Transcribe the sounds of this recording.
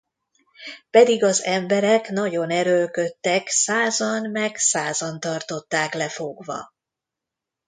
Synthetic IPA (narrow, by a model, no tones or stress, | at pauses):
pɛd̪iɡɒzɛmbɛɾɛknɒɟo̞nɛɾølkøt̪ːɛksaːzɒnmɛksaːzɒnt̪ɒrt̪o̞t̪ːaːklɛfo̞ɡvɒ̰